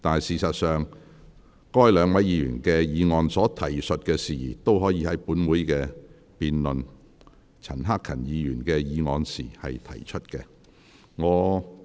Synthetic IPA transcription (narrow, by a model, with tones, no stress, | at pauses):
t̪aː˨siː˨sɐ˨t̚sœː˨ŋ | kɔː˥jlœː˨˧ŋwɐ˨˥jiː˨˧jyː˨˩nkɛː˧jiː˨˧ŋɔː˨˧nsɔː˨˥t̪ʰɐ˨˩jsɵ˨t̚kɛː˧siː˨t̪o˥wɦɔː˨˥jiː˨˧˥hɐ˨˥jpuː˨˥nwuː˨˥jkɛː˧ | piː˨nlɵ˨n | t͡sʰɐ˨˩nɦaː˥kʰɐ˨˩njiː˨˧jyː˨˩nkɛː˧jiː˨˧ŋɔː˧nsḭː˨˩hɐ˨jt̪ʰɐ̰˨˩jt͡ʃʰɵ˥t̚kɛː˧ | ŋɔː˨˧